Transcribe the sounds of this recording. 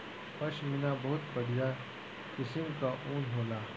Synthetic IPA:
pɐʃmɪnabɐɦʊt̪pɐɽija | kɪsɪmkaʔuːnɦoːlaː

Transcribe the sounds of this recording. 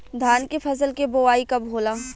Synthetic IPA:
d̪ʱaːnkefʰɐsəlkeboʋaːikɐbɦoːlaː

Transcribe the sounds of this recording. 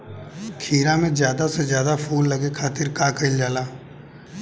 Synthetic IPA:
kʰiːɾãmẽzjaːd̪asezjaːd̪apʰuːlːɐɡekʰaːt̪ɪɾkaːkəild͡ʒaːlaː

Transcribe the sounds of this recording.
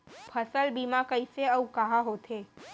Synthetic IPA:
pʰɐsəlbiːmakəiseɐukɐɦaɦoːt̪ʰeː

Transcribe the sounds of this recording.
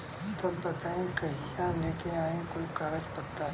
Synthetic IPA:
t̪obbɐt̪aːẽkɐɦijãleːkeaːẽkʊlkaːɡəd͡ʒpɐt̪ːa

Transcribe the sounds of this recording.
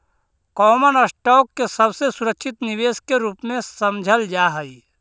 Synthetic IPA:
kɔːmənəsʈɔːkːesɐbsesʊɾəkʃʰɪt̪nɪʋeːskeɾuːpmẽsɐmd͡ʒʱəld͡ʒaːɦəi

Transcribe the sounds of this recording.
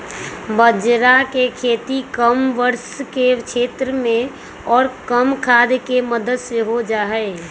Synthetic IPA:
bəd͡ʒɾakekʰeːt̪ikəmʋəɾskekt͡ʃʰeːt̪ɾəmẽ | ɔːɾkəmkʰaːd̪keməd̪əd̪seɦod͡ʒaːɦɛɪ

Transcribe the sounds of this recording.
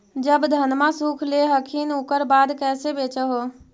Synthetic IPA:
d͡ʒəbd̪ʱənmasukʰleɦəkʰinukəɾbaːd̪kɛːsebeːt͡ʃəɦo

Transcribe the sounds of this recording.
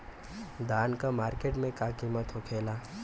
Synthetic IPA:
d̪aːnkamaːɾkeːʈmẽkakimət̪ɦokʰeːlaː

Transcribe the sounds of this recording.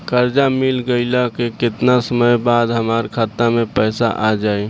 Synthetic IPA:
kəɾd͡ʒamɪlɡəɪlakekɪt̪nasəməjbaːd̪ɦəmaːɾkʰaːt̪ːamẽpɛːsa̰ʔad͡ʒaːi

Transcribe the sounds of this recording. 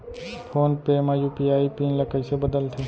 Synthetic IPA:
pʰoːnpemajupiaːipiːnlɐkəisebəd̪əlt̪ʰeː

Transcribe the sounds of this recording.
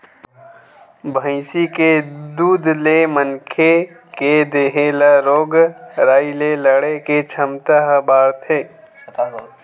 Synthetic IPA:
bʱə̃ɪsiked̪uːd̪lemənkʰe | ked̪eɦeːlaɾoːɡɾaːileləɽeket͡ʃʰəmt̪aɦbaːɾt̪ʰeː

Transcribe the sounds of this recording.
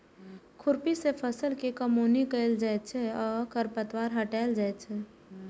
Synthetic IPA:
kʰʊɾpisepʰəsəlkikəmuːnikəɪld͡ʒat͡ʃʰeɔːɾkəɾpət̪waːɾɦəʈaːɪld͡ʒat͡ʃʰɛː

